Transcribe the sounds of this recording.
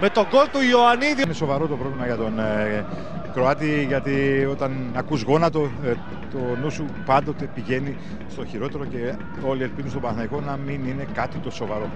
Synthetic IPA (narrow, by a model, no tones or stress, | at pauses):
me̞t̪oɡolt̪uoɐniðineso̞vɐɾo̞t̪o̞pɾo̞vlimɐʝɐt̪o̞n | kɾoɐt̪iʝɐt̪io̞t̪ɐnɐkuzɣo̞nɐt̪o | t̪onusu | pɐnd̪o̞t̪e̞piʝe̞ni | st̪o̞çiɾo̞t̪e̞ɾo̞ce̞ | o̞lieɾpiðunst̪o̞bɐnθnɐiko̞nɐminine̞kɐt̪it̪o̞so̞vɐɾo̞